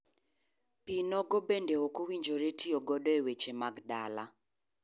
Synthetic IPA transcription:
pinɔɡɔbendeokowiɲd͡ʒoɾetioɡɔdɔewet͡ʃemaɡdala

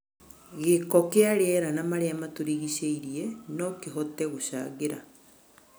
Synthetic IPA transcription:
ɣekɔkeaɾeɛɾanamaɾeamatoɾiɣiɕeiɾienɔkeɦɔtɛɣoɕa̰ːɣeɾa

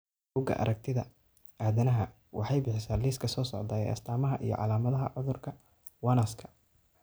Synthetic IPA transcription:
buːɡɐ̰ʔɐ̰ɾʔɐk̚t̪ʰɪðɐ̰ | aːðɐnɐɦɐ | wʔɑħɑjbɪħɪsaːliːskʰɐsɔːsɔʕd̪aːjɛ̰jʔɐ̰st̪ʰaːmɐɦɐʔijɞ̰ʕɑ̰laːmɐðɐɦɐ̰ʕʊðʊrkʰɐ | wɑnaskʰɐ̥

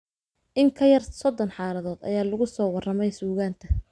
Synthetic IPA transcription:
ʔɪŋkʰɐjɐrsɔd̪ɔnħɑːlɐðɔːd̪ɐ̰jaːlʊɣʊsɔːwɑrɐmɛjsuːɣaːnt̪ʰɐ

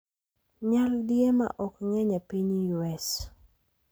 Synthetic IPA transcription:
ɲaldjema̰ʔɔkŋɛɲapiɲjuɛs

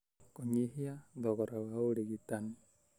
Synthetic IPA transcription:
kɔŋiɦiad̪ɔkɔɾawaudiɡit̪an

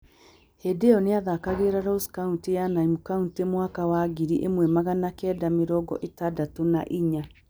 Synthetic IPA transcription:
hedeɔneaðakaɣeɾaɾoskauntijanaimukauntemwakawaːɣiɾiʔemwɛmaɣanakɛːdameɾɔɡɔ̰ʔetadatona̰ʔiɲa

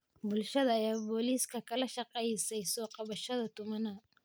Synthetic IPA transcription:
bʊlʃɐðɐːjaːbɔːliːskʰɐkʰɐlɐʃɑqɛjsɛjsɔːqɑβɐʃɐðɐt̪ʰʊmɐnɐ

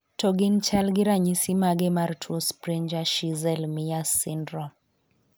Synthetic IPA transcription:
tʰoɡint͡ʃalɡɪɾaɲisimaɡɛmartʰwospɾeɲd͡ʒaʃizɛlmijasindɾɔm

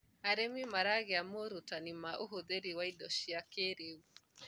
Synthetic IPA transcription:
aɾemimaɾaɣeamoɾotanimaʔoɦoðeɾiwaidɔʃiakeɾeu

